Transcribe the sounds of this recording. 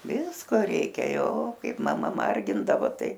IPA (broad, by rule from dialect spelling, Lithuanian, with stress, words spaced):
ˈʋʲɪskoː ˈrʲɛɪkʲɛ ˈjoː ˈkɐɪp mɐˈmɐ ˈmɐrʲɡʲɪndɐʋoː ˈtɐɪ